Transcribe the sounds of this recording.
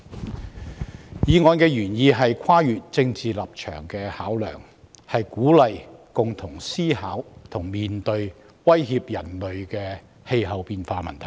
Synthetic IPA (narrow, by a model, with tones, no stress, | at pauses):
jiː˨˧ŋɔː˨˧nkɛː˧jyː˨˩njiː˧ɦɐ˨jkʰaː˥jyː˨t̚t͡sɪ˧ŋt͡siː˨lɐ˨p̚t͡ʃʰœ̰ː˨˩ŋkɛː˧haː˨˥wlœ̰ː˨˩ŋ | hɐ˨jkuː˨˥lɐ˨jkʊ˨ŋt̪ʰʊ˨˩ŋsiː˥haː˨˥wt̪ʰʊ˨˩ŋmiː˨nt̪ɵ˧ɥ | wɐ˥jhiː˧p̚jɐ˨˩nlɵ˨ɥkɛː˧ | he˧jɦɐ˨˩wpiː˧nfaː˧mɐ̰˨˩nt̪ʰɐ˨˩